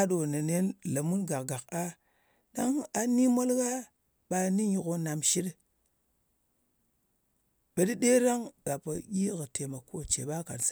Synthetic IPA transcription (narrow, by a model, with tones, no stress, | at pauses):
a˦ɗo˨na˨ne˦nla˨mu˦nɡa˨kɡa˨ka˦ | ɗa˦ŋa˨ni˦mo˦lɡa˦ | ɓa˨ni˦ɲi˨ko˨na˨mʃi˦d | ɓe˨ɗi˦ɗe˦ɾa˦ŋɡ̥a˨pa˨ɡʲi˦ɣə˨te˨ma˨ko˦t͡ʃḛ˨ɓa˦ka̰˨ns